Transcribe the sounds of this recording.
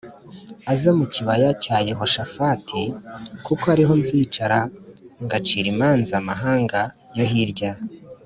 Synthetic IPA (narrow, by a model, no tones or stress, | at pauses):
azemuciβajacaːjeɦo̞ʃafatʰekukoaɾiɦo̞nziːt͡ʃaɾaŋɡat͡ʃiɾimaːnzamaɦaːŋɡa | jo̞ɦiɾɟa